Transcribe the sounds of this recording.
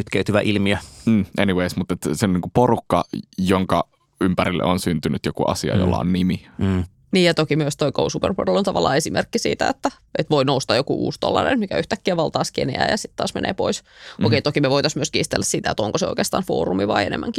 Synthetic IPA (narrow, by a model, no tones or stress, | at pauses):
yt̪keyt̪yʋæʔilmiøːʔeniweismut̪ːet̪ːseoniːŋkuporukːɑjoŋkɑ | ympæɾilːḛonsynt̪ynyt̪jokuʔɑ̰siɑ̰jo̰lːɑ̰onnimi | niːjɑt̪okimyøst̪oikousupḛrpo̰relont̪ɑʋɑlːɑ̰ːesimerkːisḭːt̪æet̪ːæ | ʔet̪ʋoinoust̪ɑːjokuʔṵːst̪o̰lːɑ̰nḛnt̪mikæyht̪ækːiæʋɑlt̪ɑːskenḛæ̰ːjɑsit̪tɑ̰ːsmḛnʔḛːpo̰isʔokeit̪okimeʋoit̪ɑsmyøskiːst̪elːæssit̪æḛt̪oŋkoseo̰ikeːst̪ɑːnfo̰ːrumiʋɑienḛmʔæŋki